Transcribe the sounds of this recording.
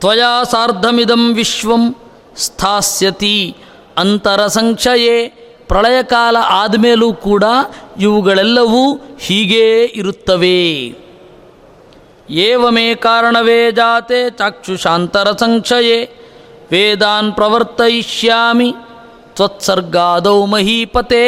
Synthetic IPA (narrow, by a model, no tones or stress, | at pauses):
t̪ʋɐjaːsaːɾd̪ʱɐmid̪ɐmʋiʃʋɐm | st̪ʰaːsjɐt̪i | ɐnt̪ɐɾɐsɐŋkʂɐjeː | pɾɐɭɐjɐkaːlɐʔaːd̪mejɐlukuːɽaːiʋuɡɐɭɛlːɐʋuhiːɡeːiɾut̪ːɐʋeː | eːʋɐmeːkaːɾɐɳɐʋeːd͡ʒaːt̪eːt͡ʃaːkʂuʃaːnt̪ɐɾɐsɐŋkʂɐjeː | ʋeːd̪aːnpɾɐʋɐɾt̪ɐiʃjaːmi | t̪ʋɐt̪sɐɾɡaːd̪ɐwmɐɦiːpɐt̪eː